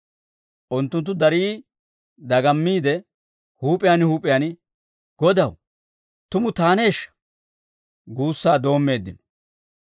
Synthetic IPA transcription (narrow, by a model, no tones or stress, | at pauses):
ʔʊnt̪ːʊnt̪ːʊd̪ɐɾiː | d̪ɐɡɐmːiːd̪ɛ | huːpʼɪjaːnhuːpʼɪjaːnɪ | ɡ̥ɔd̪ɐw | t̪ʊmʊt̪aːne̞ːʃːɐ̥ | ɡuːsːaːd̪o̞ːmːe̞ːd̪ːɪnɔ̥